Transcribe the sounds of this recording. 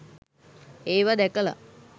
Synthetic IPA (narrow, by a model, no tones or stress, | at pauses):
eːʋad̪ɛkəla̰